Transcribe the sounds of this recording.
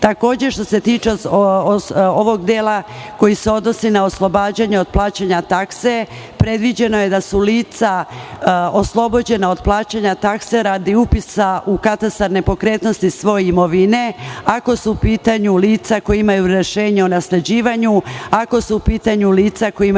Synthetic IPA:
t̪ako̞ːd͡ʑeʃt̪o̞se̞t̪iːt͡ʃe | oʋo̞ɡd̪eːlako̞jiseo̞d̪no̞sinaoslˠo̞baːd͡ʑaɲeo̞d̪̥̚plˠaːt͡ɕaɲat̪akse̞ | pɾe̞d̪ʋid͡ʑe̞no̞je̞d̪asuliːt̪sa | oslˠo̞bo̞d͡ʑe̞nao̞d̪plˠaːt͡ɕaɲat̪akse̞ɾaːd̪iupisaʔukat̪ast̪aɾne̞po̞kɾeːt̪no̞st̪isʋo̞jeimo̞ʋine̞ako̞suːpiːt̪aɲuliːt̪sako̞jiimajuɾe̞ʃeːɲeonasled͡ʑiːʋaɲuako̞suːpiːt̪aɲuliːt̪sakoji

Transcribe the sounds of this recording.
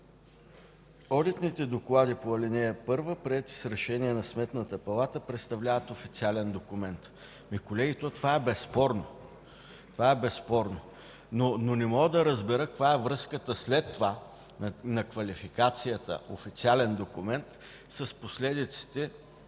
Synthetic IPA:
ɔd̪it̪nit̪ɛd̪oklˠad̪ipoɐlinɛɛpɤɾvəpɾiɛt̪i̥sɾɛʃɛniɛnɐsmɛt̪nət̪əpɐlˠat̪əpɾɛt̪st̪ɐvlʲavət̪ofit̪sialɛnd̪okumɛnt̪ | mikolɛɡʲit̪ot̪ovaɛbɛspɔɾno | t̪ovaɛbɛspɔɾno | nononɛmɔɡəd̪ɐɾəzbɛɾɤkovaɛvɾɤskət̪əslɛt̪ːova | nɐkvɐlifikat̪sijət̪ə̰ʔofit̪sialɛnd̪okʊmɛnt̪ | sɐsposlɛd̪it̪si̥t̪ɛ

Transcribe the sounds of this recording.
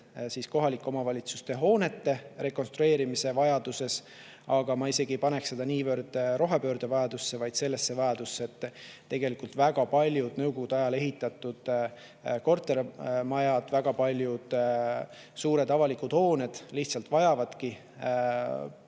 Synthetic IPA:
siːsko̞ɦɑlikːˑo̞mɑvɑlʲit̪sust̪e̞ɦo̞ːne̞t̪ːe̞re̞kːo̞nst̪ɾue̞ːɾimise̞vɑjɑd̪̥use̞s | ɑɡ̥ɑmɑise̞ɡ̥ipɑne̞kse̞d̪̥ɑniːvørd̪̥ɾo̞ɦepø̞ːɾd̪̥evɑjɑd̪̥usːe̞vɑjd̪̥se̞lːe̞sːe̞vɑjɑd̪̥usːeet̪ː | e̞ɡe̞likult̪væɡ̥ɑpɑlʲjud̪̥nɤwko̞ɡ̥ud̪ɑjɑle̞ɦit̪ːˑɑt̪ːud̪̥ | ko̞rt̪ːˑe̞ɾmɑjɑd̪̥væɡ̥ɑpɑlʲjud̪̥ | suːɾe̞d̪ɑvɑlikud̪̥ho̞ːne̞d̪̥liht̪sɑlt̪vɑjɑvɑd̪̥ki

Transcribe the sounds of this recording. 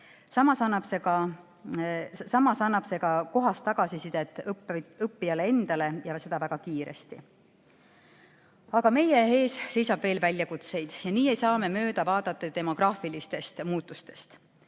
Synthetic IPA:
sɑmɑsɑnːɑb̥se̞kɑ | sɑmɑsɑnːɑb̥se̞ɡ̥ɑko̞ɦɑst̪ːɑɡ̥ɑsisid̪̥et̪ːˑɯpːijɑlee̞nd̪̥ɑle̞jɑse̞d̪ɑvæɡ̥ɑkiːɾḛst̪ḭ | ɑɡɑme̞je̞ɦe̞ːsse̞jsɑb̥ve̞ːlvælʲjɑkut̪se̞jd̪̥jɑniːe̞jsɑːme̞mø̞ːd̪̥ɑvɑːd̪̥ɑt̪ːˑet̪e̞mo̞ɡ̥rɑːfilist̪e̞st̪muːt̪ːˑust̪e̞st̪

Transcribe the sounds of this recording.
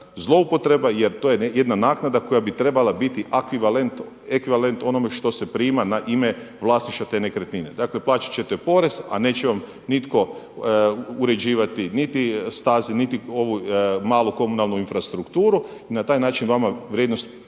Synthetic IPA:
zlˠo̞upo̞t̪ɾe̞bajeɾt̪oːjejed̪nanaːknad̪ako̞jabit̪ɾe̞balabit̪iʔakʋiʋalent̪ | ekʋiʋale̞nt̪o̞no̞me̞ʃt̪o̞se̞pɾiːmanaʔime | ʋlˠaːsniʃt̪at̪e̞ne̞kɾet̪nined̪aːkle̞plˠaːt͡ʃḁt͡ɕe̞t̪epo̞ɾe̞za̰ne̞ːt͡ɕeʋam | nit̪ko̞ | uɾe̞d͡ʑiːʋat̪init̪ist̪aːzinit̪io̞ʋumaːlˠuko̞munalˠnuinfɾast̪ɾukt̪uːɾu | inat̪aːjnaːt͡ʃinʋamaʋɾʲjed̪no̞st̪

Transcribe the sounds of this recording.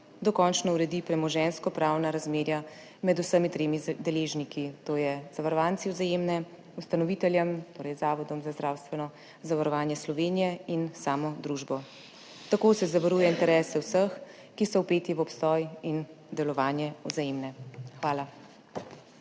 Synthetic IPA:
d̪ɔkɔnt͡ʃnɔuɾɛd̪ipɾɛmɔʒɛnskɔpɾaːwnaɾazmeːɾja | mɛd̪usəmit̪ɾeːmid̪ɛleːʒnikit̪oːjɛzaʋaɾɔʋaːnsiwzajemnɛ | ust̪anɔʋit̪ɛljɛmt̪oːɾɛjzaːʋɔd̪ɔmzazd̪ɾaːwst̪ʋɛnɔ | zaʋaɾɔʋaːnjɛslɔʋeːnijɛinsaːmɔd̪ɾuʒbɔ | t̪akoːsɛzaʋaɾuːjɛint̪ɛɾɛːsɛwsəx | kisɔwpeːt̪iʋɔpst̪ɔːjin | d̪ɛlɔʋaːnjɛɔzajemnɛxʋaːla

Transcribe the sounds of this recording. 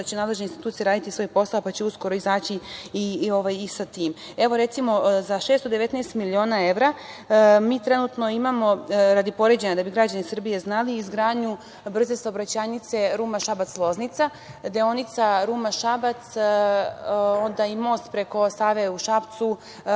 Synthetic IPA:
at͡ɕenaːd̪le̞ʒneinst̪it̪uːt̪sijeɾaːd̪it̪isʋo̞jpo̞saopat͡ɕeusko̞ɾoizaːt͡ɕiio̞ʋajisat̪iːm | e̞ʋo̞ɾe̞t̪simo̞zaʃeːst̪od̪e̞ʋet̪neːst̪milio̞ːnaeʋɾa | miːt̪ɾe̞nut̪no̞imamo̞ɾad̪ipo̞ɾe̞d͡ʑenad̪abiɡɾad͡ʑanisr̩bije̞znaliːzɡɾaːdɲu | br̩ze̞saobɾat͡ɕaːnit̪se̞ɾuːmaʃabat̪slˠo̞znit̪sa | d̪eo̞nit̪saɾuːmaʃabat̪s | ond̪aimo̞ːst̪pɾe̞ko̞saːʋeuʃapt̪su

